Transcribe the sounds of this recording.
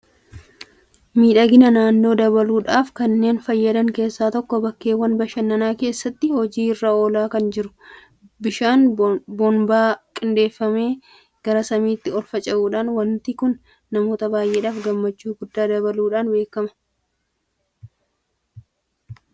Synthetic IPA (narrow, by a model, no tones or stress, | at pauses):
miːᶑɐɡɪnɐnaːnːo̞ːd̪ɐbɐluːᶑaːfkɐnːe̞ːnfɐjːɐd̪ɐŋke̞ːsːaːt̪ɔkːɔbɐkːe̞ːwɐnbɐʃɐnːɐnaːke̞ːsːɐt̪ːɪhɔd͡ʒiːɪrːao̞ːlaːkɐnd͡ʒɪɾʊ̥ | bɪʃaːnbɔnbaːkʼɪnd̪e̞ːfːɐme̞ː | ɡ̥ɐɾɐsɐmiːt̪ːɪɔlfɐt͡ʃʼɐʔuːᶑaːnwɐnt̪ikʊnː | ɐmo̞ːt̪ɐbaːjʔe̞ːᶑaːfɡɐmːɐt͡ʃːuːɡʊd̪ːaːd̪ɐβɐluːᶑaːnbe̞ːkɐmɐ̥